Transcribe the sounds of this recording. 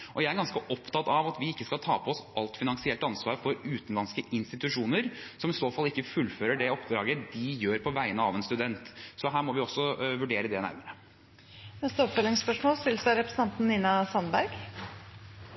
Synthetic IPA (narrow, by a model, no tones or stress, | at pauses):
ʔɔjæɪæɾɡɑnskəʔɔpt̪ʰɑt̪ɑʋɑt̪ʋɪɪkːəskɑlt̪ʰɑːpʰɔɔsɑlt̪fɪnɑŋsɪɛlt̪ɑnsʋɑːɾfɔɾʉːt̪n̩lɑnskəʔɪnst̪ɪt̪ʉʂuːnəɾsɔmɪsoːfɑlːɪkːəfʉlːføːɾəɖɛɔpd̪ɾɑːɡəd̪ɪjøːɾpʰɔʋæɪənəɑʋɛnst̪ʉd̪ɛnt̪sɔɦæːɾmɔʋɪɔsːɔʋʉɖeːɾəd̪ɛnæ̰ɾməɾə | nɛst̪əɔpfœlɪŋspœʂmoːlst̪ɪlsæɾɛpɾəsn̩ɑnt̪n̩niːnɑsɑnbæɾɡ